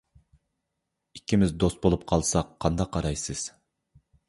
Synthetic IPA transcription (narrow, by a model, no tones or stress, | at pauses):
ikʲʰːimɪzd̪ost̪̚bolˠup̚qʰɑlˠsɑqʰːɑnd̪ɑqʰːɑɾɑjsɨz̥